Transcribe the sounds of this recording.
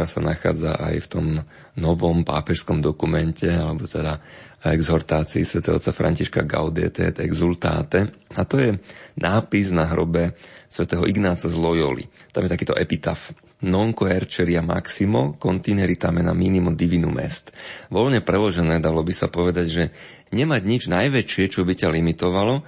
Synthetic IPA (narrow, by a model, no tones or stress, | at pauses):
ɾasa̰naxa̰ːd͡za̰ʔa̰jft̪ɔm | nɔʋɔmpa̰ːpɛʃskɔmd̪ɔkumɛncɛalɛbɔt̪ɛd̪a | ɛɡzɔɾt̪aːt͡siḭsʋɛt̪ɛːɦɔ̰t͡sːafɾa̰ɲciʃka̰ɡa̰ʊd̪ɛ̰ːt̪ɛ̰t̪ɛɡzult̪a̰ːt̪ɛat̪ɔjɛnʔaːpiznaɦɾɔ̰bɛsʋɛt̪ɛːɦɔʔiɡnaːt͡sazlɔjɔ̰lḭt̪a̰mjɛt̪akiːt̪ɔʔɛpit̪a̰f | nɔŋkɔɛɾt͡ʃɛɾiama̰ksimɔkɔnt̪iːnɛɾit̪amjɛna̰miːnimɔd̪iʋinumʔɛ̰st̪ʋɔlɲɛpɾɛlɔʒɛnɛːd̪alɔbisapɔʋɛd̪aɟʒɛ | ɲɛmaɟɲid͡ʒnajʋɛt͡ʃɪɛt͡ʃɔbicalimit̪ɔʋalɔ